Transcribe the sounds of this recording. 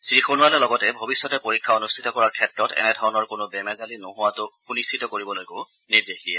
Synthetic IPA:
sɹixonʊwalɛlɔɡɔtɛbʱobisːɔtɛpoɹikʰːaonustʰitɔkɔɹaɹkʰɛtɹɔtɛ̰nɛdʱawnɔɹkʊnʊbɛmɛzalinoɦʊwatʊxunistʰitɔkoɹibɔlojko | niɹdexdijɛ

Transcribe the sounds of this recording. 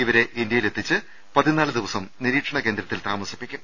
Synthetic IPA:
iʋɐɾe̞ʔind̪jɐjile̞t̪ːit͡ɕːɨ | pɐðinaːɭɨd̪iʋɐsɐmniɾiːʈʂɐɳɐke̞ːnd̪ɾɐt̪ːilt̪aːmɐsi̥pːikʲːum

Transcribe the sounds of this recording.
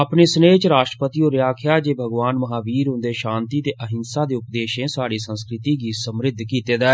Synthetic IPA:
əpneːsəneːt͡ʃɾaːʃʈɾəpət̪iːoːɾɪjaːkʰjaːd͡ʒeːbʱəɡʋaːnməɦaːʋiːɾɦʊ̃nd̪eːʃãːnt̪iːt̪eːʔəɦɪnsaːd̪eːʊpd̪eːʃẽːsaːɽiːsə̃nskɾɪt̪iːɡiːsəmɾɪd̪ʱkiːt̪eːd̪ɛː

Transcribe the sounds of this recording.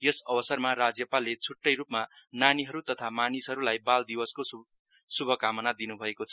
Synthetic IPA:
jʌsʌbʌsʌrmarad͡zjʌpalːet͡sʰuʈːʌjrupmananiɦʌɾut̪ʌt̪ʰamanisɦʌɾulajbald̪ibʌsko | subʱʌkamʌnad̪inubʱʌekot͡sʰʌ

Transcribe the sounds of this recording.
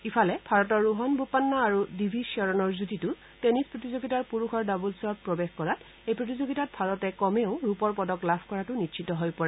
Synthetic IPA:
ipʰalɛbʱaɹɔtɔɹːuɦɔnbʱupanːɔaɹudibʱisiɔɹɔnɔɹzutitʊ | tenispɹotizoɡitaɹpuɹuxʰɔɹdabulsɔt̚pɹɔbexkɔɹat | ejpɹot̬izoɡitat̚bʱaɹɔtɛkɔmeʊɹupɔɹpɔdɔklabʰʱkɔɹatʊnitʃʰitɔɦojpɔɹɛ

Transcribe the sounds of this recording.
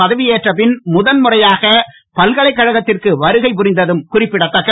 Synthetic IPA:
ɐðɐʋɪjeːʈrɐpɪnmʊðɐnmʊrɐjaːɣɐ | pɐlɣɐɭɐɪkːɐɻɐɣɐt̪ːɪrkɯʋɐɾɯɣɐɪp̬ʊɾɪnd̪ɐðɯmkʊrɪpːɪɽɐt̪ːɐkːɐ

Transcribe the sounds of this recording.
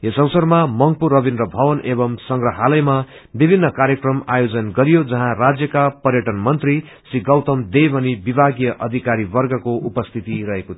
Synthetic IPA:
esʌwsʌrmamʌŋpurːʌbinrʌbʱʌwʌnebʌmsʌŋɡrʌɦalʌjma | bibʱinːʌkaɾjʌkrʌmajod͡zʌnɡʌɾijod͡zʌɦãrad͡zjʌkapʌrjʌʈʌnmʌnt̪ri | siɡʌwt̪ʌmd̪ejbʱʌnibibʱaɡjʌʔʌd̪ʱikaɾibʌrɡʌkoʔupʌst̪ʰit̪iɾʌɦeko

